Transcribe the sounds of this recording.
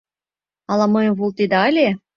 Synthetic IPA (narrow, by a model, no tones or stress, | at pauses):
ɑlˠɑmɤjə̆mvolˠt̪ed̪eɑlʲe